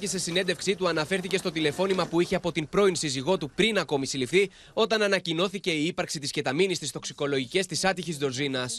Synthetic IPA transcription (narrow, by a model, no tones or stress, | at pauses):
cese̞sine̞nd̪e̞fksit̪uɐnɐfe̞ɾθice̞st̪o̞t̪ile̞fo̞nimɐpuiçe̞ɐpo̞t̪impɾo̞insiziɣo̞t̪upɾinɐko̞misilifθi | o̞t̪ɐnɐnɐcino̞θice̞iipɐɾksit̪isce̞t̪ɐminist̪ist̪o̞ksi̥ko̞lo̞ʝice̞st̪isɐt̪içizd̪o̞ɾzinɐs